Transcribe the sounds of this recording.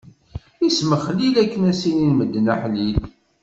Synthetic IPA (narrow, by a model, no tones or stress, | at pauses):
isməχlilækːənæsininməd̪ːnəħlil